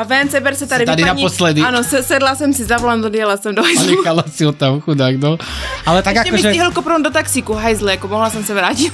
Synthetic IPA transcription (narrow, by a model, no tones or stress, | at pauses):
avɛnt͡sɛbɛɾsɛt̪ad̪iad̪inaɲɔslɛd̪iaːnosɛsɛd̪lasɛmsizavland̪ɔdɪjɛlasɛmd̪oɦajɛkalasiɔt̪amxunaɡd̪ɔalɛt̪aɡaɛmɔʒɛiɦlkɔpɾɔnd̪ot̪aksikuɦajzlɛakɔmɔɦlasɛmsavɾaːci